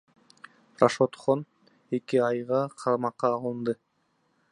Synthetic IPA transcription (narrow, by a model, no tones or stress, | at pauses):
raʃot̪χon | e̞kiɑjʁɑqʰɑɾmɑqːɑːlˠɯnd̪ɯ